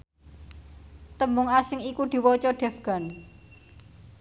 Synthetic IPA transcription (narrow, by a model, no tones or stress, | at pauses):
t̪əmbʊŋasɪŋikud̪̥i̤wɔt͡ʃɔɖ̥ɛ̤fɡ̥a̤n